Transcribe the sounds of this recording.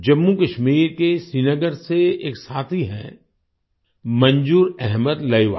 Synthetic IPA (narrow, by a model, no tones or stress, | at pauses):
d͡ʒɐmːukɐʃmiːɾkesinəɡəɾseḛːksaːt̪ʰiɦɛ̰̃ | mɐ̃nd͡ʒuːɾɛɦməd̪lɐiʋa̰ː